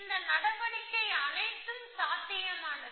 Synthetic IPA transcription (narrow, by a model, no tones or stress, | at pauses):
nd̪ɐnɐɽɐʋɐɳɪkːɐɪɐnɐɪt̪ːɯmsaːt̪ːɪjɐmaːɳɐ